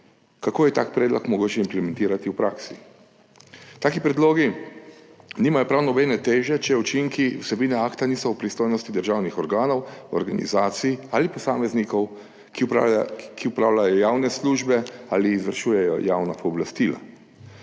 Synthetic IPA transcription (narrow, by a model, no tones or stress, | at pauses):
kakoːjɛt̪aːkpɾɛːd̪lɔkmɔɡoːt͡ʃɛimplɛmɛ̃nt̪iːɾat̪iwpɾaːksi | t̪aːkipɾɛd̪loːɡi | niːmajɔpɾawnɔbɛnɛt̪eːʒɛt͡ʃɛut͡ʃiŋkiwsɛbiːnɛaːkt̪aniːsɔwpɾist̪oːjnɔst̪id̪əɾʒawnixɔɾɡaːnɔwɔ̰ɾɡa̰nḭzaːt̪sijalipɔsaːmɛznikɔw | k | kʰiupɾaːwlajɔjaːwnɛsluːʒbɛaːliːzʋəɾʃuːjɛjɔ̰jaːwnapɔːblast̪iːla̰